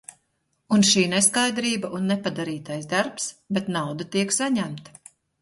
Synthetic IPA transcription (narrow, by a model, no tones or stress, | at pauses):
unʃiːnɛskajd̪ɾiːbaʔunːɛpad̪aɾiːt̪ajzd̪aɾpsbɛt̪nawd̪at̪iɛksaɲæmt̪